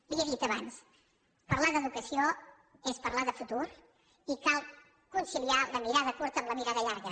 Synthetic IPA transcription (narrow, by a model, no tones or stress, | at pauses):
biəðit̪əβans | pəɾlaðəðukəsio | espəɾlaðəfut̪uɾ | ikalˠ | kunsilialəmiɾaðəkuɾt̪əːmləmiɾaðəʎaɾɣə